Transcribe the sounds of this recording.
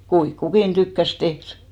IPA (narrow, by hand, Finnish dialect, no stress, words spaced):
kuiŋk kukin tykːæs tehr